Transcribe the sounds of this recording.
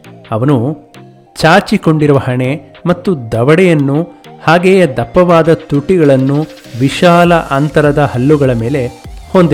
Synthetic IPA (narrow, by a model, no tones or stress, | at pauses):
ɐʋɐnu | t͡ʃaːɾt͡ʃiko̞ɳɖiɾuʋɐhɐɳe | mɐt̪ːud̪ɐʋɐɽɛjɐnːuhaːɡeːjɐd̪ɐpːɐʋaːd̪ɐt̪uʈːiɡɐɭɐnːu | ʋiʃaːlɐʔɐnt̪ɐɾɐd̪ɐhɐlːuɡɐɭɐme̞ːle̞hond̪e